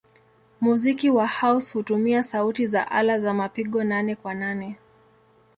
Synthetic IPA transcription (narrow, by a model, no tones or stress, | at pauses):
muzikiwahaushutumiasautiza̰ʔalazamapiɠɔnanɛkwananɛ